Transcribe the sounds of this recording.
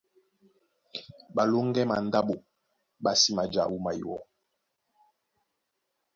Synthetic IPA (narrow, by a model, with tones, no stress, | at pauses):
ɓa˨lo˦ŋ˦ɡɛ˦ma˨n˦da˦ɓo˨ | ɓa˨si˦ma˨d͡ʒa̰˨wu˦ma˨i˨wɔ˦